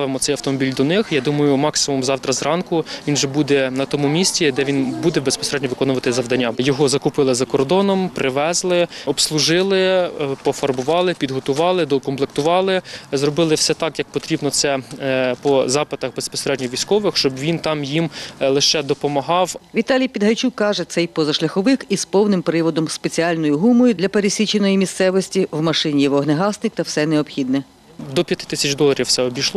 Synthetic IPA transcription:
ʋɪmɔt̪sɛjɐwt̪ɔmɔbʲilʲd̪ɔnɪxjɑd̪umɐjʊmɑksɪmumzɑwt̪ɾɐzrɑnkʊʋʲinʒɛbud̪ɛnɐt̪ɔmumʲisʲtʲid̪ɛʋʲinbud̪ɛbespɔ̥seɾɛd̪ʲnʲɔʋɪkɔnʊʋɐt̪ɪzɐʋd̪ɐnʲːajɔɦɔzɐkʊpɪlˠɪzɐkɔrd̪ɔnɔmpɾʔɪʋɛzlˠɪɔbslˠʊʒɪlˠɪpɔfɐrbʊʋɑlˠɪpʲid̪ɦɔt̪ʊʋɑlˠɪd̪ɔkɔmplekt̪ʊʋɑlˠɪzrɔbɪlˠɪwsɛt̪ɑkjɐk̚pɔt̪ɾʲibnɔt̪sɛpɔzɑpɪt̪ɐxbespɔ̥seɾɛd̪ʲnʲɔʋʲijsʲkɔʋɪxʃt͡ʃɔbʋʲint̪ɑmjimlˠɪʃɛd̪ɔpɔmɐɦɑwʋʲit̪ɑlʲijpʲid̪ɦɐjt͡ʃukːɑʒɛt̪sɛjpɔzɐʃlʲɐxɔʋɪxizpɔwnɪmpɾɪʋɔd̪ɔmspet͡sʲiɑlʲnɔjʊɦumɔjʊd̪lʲɐpeɾesʲit͡ʃenɔjimʲist̪sɛʋɔsʲtʲiwmɐʃɪnʲijʋɔɦneɦɑsnɪk̚t̪ɐwsɛnɛɔpxʲid̪nɛ | d̪ɔpʲjɐt̪ɪ̥t̪ɪ̥sʲɐt͡ʃd̪ɔlˠɐɾʲiwsɛɔbʲijʃlˠɔ

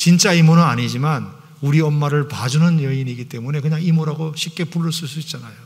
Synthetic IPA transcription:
t͡ɕint͡ɕ͈aimunɯnaɲid͡ʑiman | uɾiʌmːaɾɯɭpad͡ʑunɯnjʌiniɡit͈e̞mune̞kɯɲaŋimuɾaɡoɕʰip̚k͈e̞puɭːʌɭs͈uɭs͈uik̚t͡ɕ͈anajo

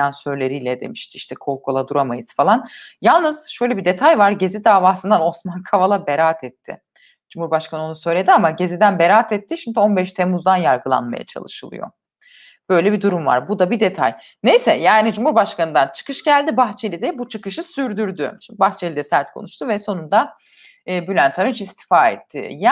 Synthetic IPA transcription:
ansø̞ɾlʲe̞ɾijlʲɛd̪e̞̰miʃt̪ʰɪiʃt̪ʰɛkʰo̞lˠkʰo̞lˠad̪uɾamajɯz̥falˠanjalˠnɯz̥ʃø̞jlʲɛbid̪e̞t̪ʰajvaɾɟe̞zid̪aːvaːsɯnd̪ano̞smankʰavalˠabeɾaːt̪ʰɛt̪ʰːɪ̰ | d͡ʒumhuɾbaʃkʰanɯo̞nusø̞jlʲe̞d̪iamaɟe̞zid̪ænbeɾaːt̪ʰɛt̪ʰːiʃimd̪io̞nbɛʃt̪ʰe̞muzd̪anjaɾɡɯlˠa̰nma̰ja̰t͡ʃʰa̰lˠɯʃɯlˠɯ̰jo̞̰ | b̥ø̞jlʲɛbid̪uɾumva̰ɾbud̪abid̪et̪ʰa̰j | nejsɛjaːnid͡ʒumhuɾbaʃkʰanɯnd̪ant͡ʃʰɯ̥kɯʃɟælʲd̪ibaxt͡ʃʰe̞lʲid̪ɛbut͡ʃʰɯkɯʃɯsyɾd̪yɾd̪ybaxt͡ʃʰelʲid̪ɛsæɾt̪̚kʰo̞̰nuʃt̪ʰuvɛso̞nund̪aː | bylʲænt̪ʰaɾɯnt͡ʃist̪ʰi̥faːḛt̪ʰːɪ̰ja

